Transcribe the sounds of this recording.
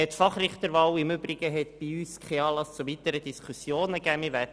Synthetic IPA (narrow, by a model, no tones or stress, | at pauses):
ɛtfɑχrɪχt̪əɾʋɑwɪmʏbɾɪɡ̥əɦɛt̪b̥iyːskʰɛɑːlɑst͡suvit̪əɾəd̥̪iskʰusjoːnəɡæːmivæ